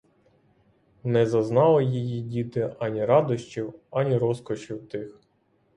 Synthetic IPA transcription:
nɛzɐznɑlˠɔjijidʲit̪ɪʔɑnʲiɾɑd̪ɔʃt͡ʃiwɑnʲiɾɔskɔt͡ʃiwt̪ɪx

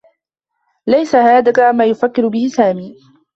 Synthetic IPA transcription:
lajsahaːd̪akamaːjʊfakːɪɾʊbɪhɪsaːmiː

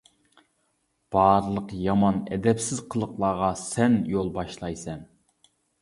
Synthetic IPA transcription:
b̥ɑɾlˠəqjɑmɑnɛ̰d̪ɛpsɪzqʰəlˠəqlˠɑːʁɑsɛnjolˠbɑʃlˠɑjsɛn

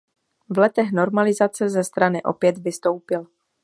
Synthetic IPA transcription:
vlɛt̪ɛxno̞ɾmalɪzat͡sɛzɛst̪ɾanɪʔo̞̰pjɛd̪vɪst̪o̞wpɪl

